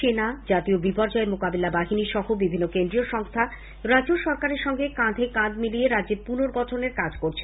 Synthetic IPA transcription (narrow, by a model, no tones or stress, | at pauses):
ʃenad͡ʑat̪iobipɔɾd͡ʑɔemokabilabaɦiniʃɔɦobibʱinːokend̪ɾioʃɔŋst̪ʰa | ɾad͡ʑoʃɔɾkaɾeɾʃɔŋɡekãd̪ʱekãd̪milieɾadːd͡ʑeɾpunoɾɡɔtʰoneɾkad͡ʑkoɾt͡ɕʰe